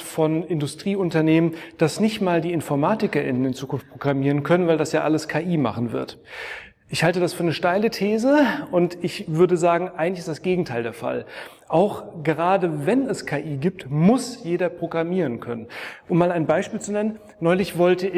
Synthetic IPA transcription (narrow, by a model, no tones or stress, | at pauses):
fɔnɪndʊstʁ̥iːʊntɐneːmənd̥asnɪçtmaːldiːɪnfɔɐmaːtɪkɐʔɪ̰nənɪnt͡suːkʊnft̚pʁ̥oɡʁamiːʁənkʰœnənvaɪldasjaːʔaləskʰaːʔiːma̰χn̩vɪ̰ɐt | ʔɪçhaltədasfyːɐnəʃtaɪlətʰeːzəʔʊntɪçv̥ʏɐdəzaːɡŋ̩ʔaɪɡŋ̩tlɪçɪsd̥asɡ̥eːɡŋ̩tʰaɪldeːɐfa̰l | ʔaʊxɡ̥əʁaːdəvɛnɛskʰaːʔiːɡiːp̚tmʊsjeːdɐpʁ̥oɡʁamiːʁənkʰœnənʔʊmːaːlaɪnbaɪʃpiːlt͡sunɛnən | nːɔʏlɪçv̥ɔltəɪ